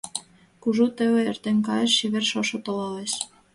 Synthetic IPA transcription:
kuʒut̪ĕβĕert̪enkɑjə̆ʃːiβerʃoʃŏt̪olɑleʃ

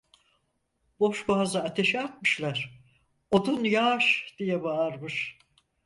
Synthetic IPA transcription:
boʃbaɦzaːt̪ʰe̞ʃiat̪̚mɯʃlˠaɾ̥ | od̪unjaʃd̪̥ijɛbaːɾmɯʃ

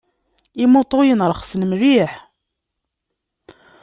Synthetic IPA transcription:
imut̪ˤojənɾˤχsənmɾiħ

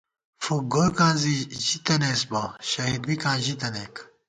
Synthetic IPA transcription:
fuɡokãːziʑit̪ɐnesbɐɕɐɦid̪wikãːʑit̪ɐneːk

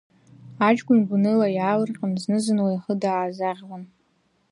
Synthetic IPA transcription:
at͡ʃɡʷʊnɡʷunɨlajaːlɨrqʲʼamznɨzɨnwajaχədaːzaʁʲwan

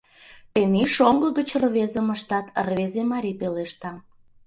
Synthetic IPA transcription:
t̪eniʃoŋɡəɣət͡ɕrβezə̆məʃt̪ɑt̪rβezemɑɾʲipeleʃt̪ɑ

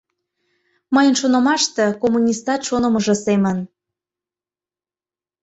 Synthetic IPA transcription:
məjənʃonəmɑʃt̪ĕkomunʲist̪ɑt̪ʃonə̆mɤʒɤ̆semən

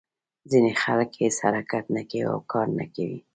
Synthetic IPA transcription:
zinexalkheshaɾakat̪nakawia̰wkɑɾna̰kawi

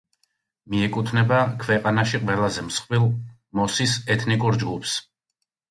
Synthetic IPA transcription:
miɛkʼut̪ʰnɛbakʰvɛqʼanaʃiqʼwɛlˠazɛmsχwilˠ | mɔsisɛt̪ʰnikʼuɾd͡ʒɡupʰs

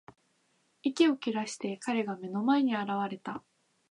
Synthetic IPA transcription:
ikʲio̞kʲiɾaɕi̥t̪e̞kaɾe̞ɡame̞no̞mae̞ɲ̟iaɾaβ̞aɾe̞t̪a

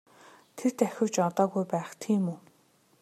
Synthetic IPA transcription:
t̪ʰet̪æxʲʊ̆wt͡ɕɔt̪ɔːɣujpæːχt̪ʰiːmuː

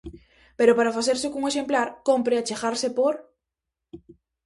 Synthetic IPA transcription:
peɾopaɾafaθeɾsekuŋeʃemplaɾkompɾeat͡ʃeɣaɾsepoɾ

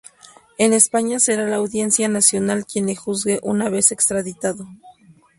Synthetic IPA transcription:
e̞ne̞spaɲase̞ɾalaːwðje̞nsjanasjo̞nalkje̞nexuzɡe̞ʔunaβe̞se̞kst̪ɾaðit̪aðo̞

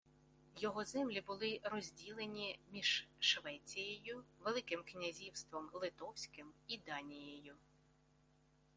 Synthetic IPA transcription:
jɔɦɔzɛmlʲibʊlˠɪɾɔzʲdʲilˠenʲimʲiʒ̥ʃʋɛt͡sʲijejʊʋelˠɪkɪmknʲɐzʲiwst̪ʋɔmlˠɪt̪ɔwsʲkɪmid̪ɑnʲijejʊ

